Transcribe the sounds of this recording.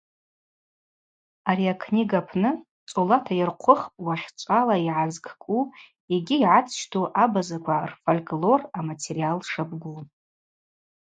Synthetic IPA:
aɾiakʰniɡapʰnɨ | t͡sʼolatʰajɪrqʷʰʊχpʼwaʃt͡ʃʷʼalaiʕazkʰʼkʼu | eɡʲijʕat͡sʰʃtʰuʔabazakʷʰarfolʲkʼlo̞ramatʰeɾialʂabɡʷu

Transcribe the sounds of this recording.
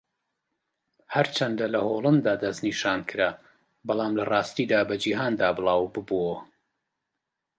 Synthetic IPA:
hɐɾt͡ʃʰɐnd̪ɐlɐholˠɨnd̪aːd̪ɐzniʃaːnkʰɨɾa | bɑlˠɑːmlɐrɑːst̪iːd̪aːbɐd͡ʒiːɦaːnd̪aːbɨlˠaːwbɨbuwɐ

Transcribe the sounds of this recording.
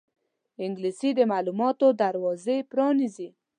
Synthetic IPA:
ɪŋɡlisid̪əmalumɑt̪od̪aɾwɑzepɾɑnizi

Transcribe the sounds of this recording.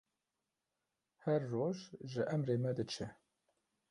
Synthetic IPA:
hɛɾːoːʒʒəʔɛmreːmɛd̪ɨt͡ʃʰɛ

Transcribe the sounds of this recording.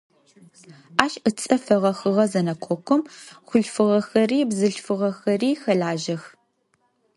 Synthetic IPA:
aːʃət͡sʼɐfɐʁɐxɨʁɐzɐnɐkʷʰɔkʷʰɔmχʷʊɬfɨʁɐxɐriːbzɨɬfɨʁɐxɐriːxɐɮaːʒɐx

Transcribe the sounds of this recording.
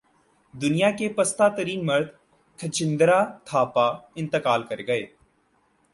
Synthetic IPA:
d̪ʊnijakepɐst̪aːt̪əɾiːnmɐɾd̪ | kʰɐt͡ʃɪ̃nd̪ɾaːt̪ʰaːpaːɪ̃nt̪əkaːlkɐɾɡɐeː

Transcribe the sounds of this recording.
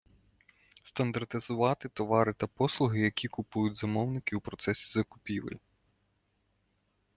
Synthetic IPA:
st̪ɐnd̪ɐrt̪ɪzʊʋɑt̪ɪt̪ɔʋɑɾɪt̪ɐpɔslˠʊɦɪjɐkʲikʊpujʊtʲzɐmɔwnɪkʲɪwpɾɔt̪sɛsʲi̥zɐkʊpʲiʋɪ̰lʲ

